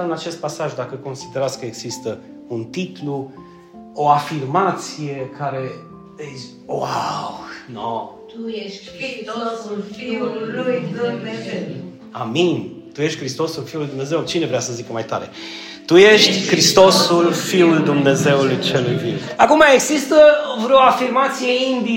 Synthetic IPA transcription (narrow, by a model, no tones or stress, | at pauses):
ɨnat͡ʃe̞st̪̚pasaʒd̪akəko̞nsid̪eɾat̪skəeɡz̥ist̪ə | unt̪it̪lu | oafirmat̪sije̞kʰaɾe̞ | es | wawno | ujeʃ | ioulfiuujumee | a̰min | t̪ujeʃt̪ʲkɾist̪o̞sulfiulujd̪umne̞ze̞wt͡ʃinevɾeasəzikəmajt̪a̰ɾe | t̪ujeʃt̪ʲkɾist̪o̞sulfiuld̪umne̞ze̞ulujt͡ʃelujviwakumaeɡzist̪əvɾeoafirmat̪sije̞ind̪i